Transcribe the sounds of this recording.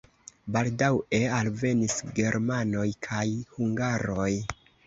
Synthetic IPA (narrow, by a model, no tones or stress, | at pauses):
baldawe̞alve̞nisɡe̞ɾmano̞jkʰajhuŋɡaɾo̞j